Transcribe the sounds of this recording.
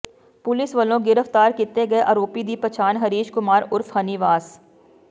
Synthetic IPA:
pʊlɪsʋɐlõɡɪɾəft̪aːɾkit̪eɡɐeʔaːɾoːpid̪ipɐt͡ʃʰaːnɦɐɾiːʃkʊmaːɾʊɾfɦɐniʋaːz

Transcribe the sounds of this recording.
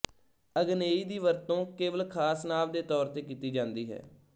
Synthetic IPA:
əɡneːiːd̪iːʋəɾt̪õːkeːʋəlkʰaːsnaːʋd̪eːt̪ɔːɾt̪eːkiːt̪iːd͡ʒãːnd̪iːɦɛ̰ː

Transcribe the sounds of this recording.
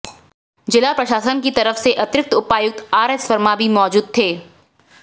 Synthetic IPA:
d͡ʒɪlapɾɐʃaːsənkit̪ɐɾəfseʔɐt̪ɾɪk̚t̪ʊpaːjʊk̚t̪aːɾɛswəɾmabʱimɔːd͡ʒuːd̪̚t̪ʰeː

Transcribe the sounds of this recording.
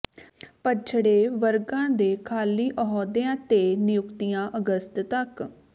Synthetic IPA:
pət͡ʃʰɽeːʋəɾɡãːd̪eːkʰaːliːʔəɦɔːd̪eãːt̪eːnɪjʊkt̪ijãːʔəɡəst̪t̪ək

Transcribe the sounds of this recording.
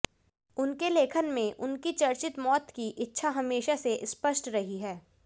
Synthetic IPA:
ʊnkeleːkʰənmẽʔʊnkit͡ʃɐɾt͡ʃɪt̪mɔːt̪kiʔɪtːʃʰaɦɐmeːʃaseʔɪspəʃʈɾɐɦiɦɛː

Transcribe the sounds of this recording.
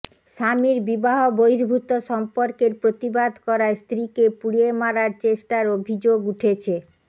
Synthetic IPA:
ʃamiɾbibaɦobojɾbʱut̪oʃɔmpoɾkeɾpɾot̪ibad̪ʱkɔɾaest̪ɾikepuɽiemaɾaɾt͡ɕeʃʈaɾobʱid͡ʑoɡuʈʰet͡ɕʰe

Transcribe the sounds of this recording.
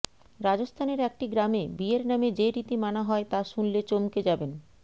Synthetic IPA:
ɾad͡ʑost̪ʰaneɾɛk̚ʈiɡɾamebieɾnamed͡ʑeɾit̪imanaɦɔet̪aʃunlet͡ɕomked͡ʑaben

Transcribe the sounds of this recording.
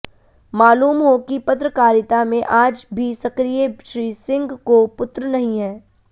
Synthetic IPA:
maːluːmɦokipɐt̪ɾəkaːɾɪt̪amẽʔaːd͡ʒbʱisɐkɾijeʃɾiːsɪ̃ŋɡkopʊt̪ɾənɐɦĩɦɛː

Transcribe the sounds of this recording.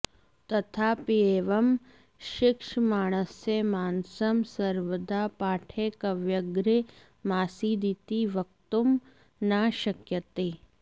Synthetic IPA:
t̪ɐt̪ʰaːpieːʋɐm | ʃɪkʃmaːɽ̃əsːemaːnsɐmsɐɾʋəd̪aːpaːʈʰekɐʋjɐɡɾe | maːsid̪it̪iʋɐk̚t̪um | naːʃɐkjət̪eː

